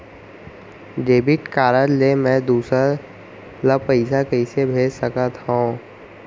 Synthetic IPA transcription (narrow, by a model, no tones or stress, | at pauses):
ɖeːbɪʈkaːɾəd͡ʒlemɛ̃d̪uːsə | lapəɪsakəɪsebʱeːd͡ʒsəkət̪ɦõː